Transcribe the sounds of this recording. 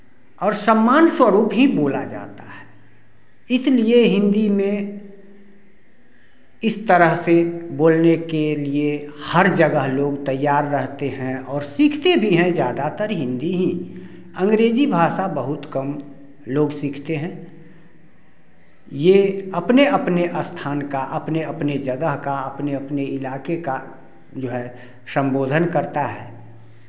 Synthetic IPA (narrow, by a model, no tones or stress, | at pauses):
ɔːɾsəmːaːnswəɾuːpɦiboːla̰d͡ʒa̰ːt̪aɦɛ̥ː | ɪslieɦɪ̃nd̪imẽ | ɪst̪əɾəɦseboːlnekeliehəɾd͡ʒəɡəɦloːɡt̪əjːaːɾːəɦt̪eɦɛ̃ɔːɾsiːkʰt̪ebʱiɦɛ̃d͡ʒjaːd̪at̪əɾɦɪ̃nd̪iɦĩ | ə̃ŋɡɾeːd͡ʒibʱaːʃabəɦʊt̪kəm | loːɡsiːkʰt̪eɦɛ̃ː | jeɐpneəpneʔəst̪ʰaːnkaʔɐpneəpned͡ʒəɡəɦkaɐpneəpneɪlaːkeka | d͡ʒoːɦɛ | sə̃mboːd̪ʱənkəɾt̪aɦɛː